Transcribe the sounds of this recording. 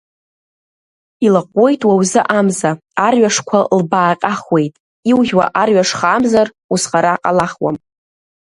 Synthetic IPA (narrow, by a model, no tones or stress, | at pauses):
ilaqʷʼo̞jtʼwawzɨʔamza | arɥaʂkʷʰalbaːqʲʼaχwejtʼ | iwʒʲwa̰ʔarɥaʂχaːmzar | usχʼaɾaqʼalaχwa̰m